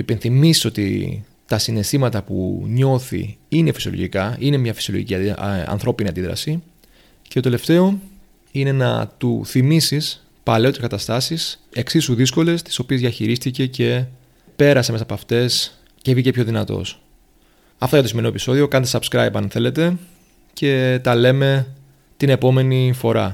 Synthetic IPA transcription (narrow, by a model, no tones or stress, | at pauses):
ipe̞nθimisi̥so̞t̪ḭ | t̪ɐsinest̪imɐt̪ɐpṵɲo̞θḭine̞fi̥sio̞lo̰ʝikɐine̞mɲɐfisioloʝḭciɐɐ̰nθɾo̞piniɐnd̪iðɾɐ̰si | cet̪o̞t̪e̞le̞ft̪e̞o̞ | ine̞nɐ̰t̪uθimisis | pɐle̞o̞t̪iskɐt̪ɐst̪ɐsise̞ksisuðisko̞le̞st̪i̥so̞piezðiɐçiɾist̪ice̞ce̞ | pe̞ɾɐsemesɐpɐft̪e̞s | cevicepço̞ðinɐt̪o̞̰s | ɐft̪ojɐt̪osime̞no̞piso̞ðio̞kɐnt̪esɐbskɾɐjpɐnθe̞le̞t̪e̞ | ce̞t̪ɐle̞me̞ | t̪ine̞po̞me̞nifo̞ɾɐ̰